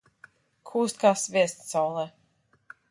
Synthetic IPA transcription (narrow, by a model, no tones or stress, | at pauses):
kʰuːst̪̚kasveːst̪sɔwlˠɛ